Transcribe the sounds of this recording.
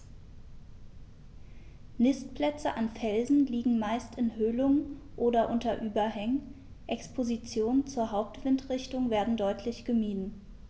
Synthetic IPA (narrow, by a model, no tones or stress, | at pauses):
nɪstpl̥ɛt͡səʔanfɛlzn̩liːɡŋ̩maɪstɪnhøːlʊŋəʔoːdɐʔʊntɐʔyːbɐɦɛŋən | ʔɛkspʰozit͡sjoːnənt͡suːɐɦaʊp̚tv̥ɪntʁɪçtʊŋveːɐdn̩dɔʏtʰlɪçɡ̥əmiːdn̩